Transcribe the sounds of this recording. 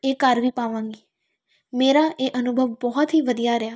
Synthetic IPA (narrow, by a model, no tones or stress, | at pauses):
eːkəɾʋiːpaːʋãːŋɡiː | meːɾaːʔeːʔənʊbʱəʋbɔːt̪ɦiːʋəd̪ijaːɾɪjaː